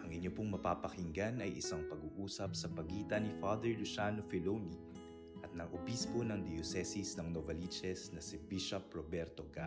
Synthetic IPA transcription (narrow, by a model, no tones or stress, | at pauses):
ʔɐŋʔɪɲopoŋmɐpapɐhɪŋɡanɐjʔɪ̰saŋpɐɡuːʔuːsɐp̚sɐpɐɡiːt̪ɐnifad̪ɛɹlʊʃaːnofɛloni | ʔɐt̪̚nɐɡʔobispo̞nɐŋd̪ɪjosɛsisnɐŋnovɐlit͡ʃɛsnɐsɪbiʃɐpɹobɛɾt̪oɡa